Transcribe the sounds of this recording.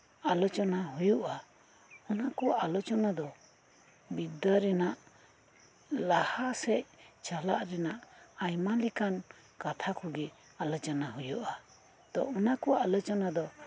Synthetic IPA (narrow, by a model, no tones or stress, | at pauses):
alɔt͡ʃɔnaɦujuʔa | ɔnakɔʔalɔt͡ʃɔnad̪ɔ | bid̪aɾɛnaʔ | lahasɛʔ̚t͡ʃala̰ʔɾɛnaʔajmalikan | kat̪ʰakʰɔɡɛ | alɔt͡ʃɔnaɦujuʔa | d̪̥ɔ̰ʔɔnakɔalɔt͡ʃɔnad̪ɔ